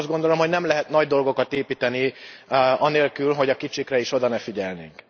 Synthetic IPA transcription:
zd̪ɡo̞nd̪olo̞mho̞ɟnɛmlɛɦɛt̪nɒɟd̪o̞lɡo̞kɒt̪eːpiːt̪ɛni | ɒneːlkylɦo̞ɟɒkit͡ʃikrɛiʃo̞d̪ɒnɛfiɟɛlnḛːŋk

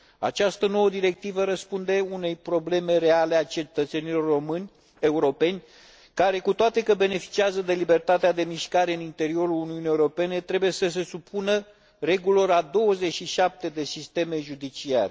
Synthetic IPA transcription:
a̰t͡ʃast̪əno̞wəd̪iɾe̞k̚t̪ivəɾəspund̪e̞une̞jpɾo̞ble̞me̞ɾe̞ale̞at͡ʃe̞t̪ət̪senilo̞rːomɨnʲ | e̞uɾo̞pe̞nʲ | kaɾe̞kut̪oat̪e̞kəbe̞ne̞fi̥t͡ʃiazəd̪e̞libe̞rt̪at̪ead̪e̞miʃkaɾeɨnint̪e̞ɾio̞ɾuluniunijeuɾo̞pe̞ne̞t̪ɾe̞buje̞səs̬e̞supʰunə | re̞ɡulo̞ɾad̪o̞wəze̞t͡ʃʃiʃap̚t̪e̞d̪e̞sist̪e̞meʒud̪it͡ʃia̰rʲ

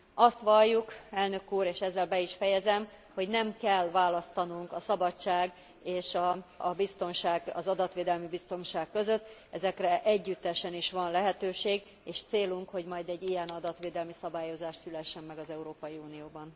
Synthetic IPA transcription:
ɒst̪ʋɒjːukɛlnø̞kuːɾeːʃɛzːɛlbɛiʃfɛjɛzɛm | ho̞ɟnɛmkɛlːvaːlɒst̪ɒnuŋkɒsɒbɒt͡ʃːaːɡ | eːʃɒbist̪o̞nʃaːɡɒzɒd̪ɒt̪ʋeːd̪ɛlmibist̪o̞nʃaːkːø̞zø̞t̪ːɛzɛkrɛʔɛɟːyt̪ːɛʃɛniʃʋɒnlɛɦɛt̪øːʃeːɡ | eːʃt̪seːluŋkho̞ɟmɒjd̪ɛɟːijɛnɒd̪ɒt̪ʋeːd̪ɛlmisɒbaːjo̞zaːʃt̪sylɛʃːɛmːɛɡɒzɛuɾoːpɒjiuːnijoːbɒn

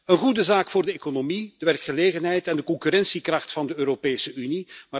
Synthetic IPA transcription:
ənɣudəzaːkfʊːrdəekonomid̥əʋɛrkχəleːɣənɦɛjtɛndəkɔŋkyɾɛnsikrɑχtfɑndəøːɾopeːsəʔynimaː

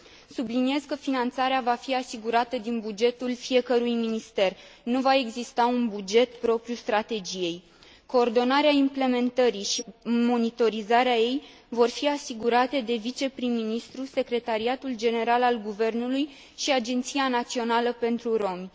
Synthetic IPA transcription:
sublinije̞zkəfinant̪saɾeavafiasiɡuɾat̪əd̪inbud͡ʒe̞t̪ulfije̞kəɾujminist̪e̞rnuvae̞ɡzist̪aunbud͡ʒe̞t̪pɾo̞pɾʲjust̪ɾat̪e̞d͡ʒije̞j | ko̞ːrd̪o̞naɾeaimple̞me̞nt̪əɾiʃimo̞nit̪o̞ɾizaɾeaje̞j | vo̞rfiasiɡuɾat̪e̞d̪e̞vit͡ʃe̞pɾimːinist̪ɾuse̞kɾe̞t̪aɾiat̪uld͡ʒe̞ne̞ɾalalɡuve̞rnuluj | ʃiad͡ʒe̞nt̪sianat̪sio̞naləpe̞nt̪ɾuɾo̞m

